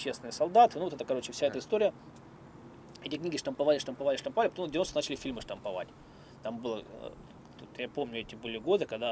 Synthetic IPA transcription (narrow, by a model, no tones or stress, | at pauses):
pt͡ɕːesʲɪnɨjəsɐlˠd̪at̪ɨnuvot̪ɛt̪əkɐɾo̞t͡ɕɪfsʲaɛt̪əɪst̪o̞ɾʲɪjə | ɛtʲɪknʲiɡʲɪʂt̪əmpɐvalʲɪʂt̪əmpɐvalʲɪʂt̪əmpɐvalʲɪpɐt̪omd̪ʲvʲɪnost̪ənat͡ɕɪlʲɪfʲilʲmɨʂt̪əmpɐva̰tʲ | t̪ambɨlˠə | t̪ot̪japo̞mnʲʊɛtʲɪbɨlʲɪɡo̞d̪ɨkɐɡd̪a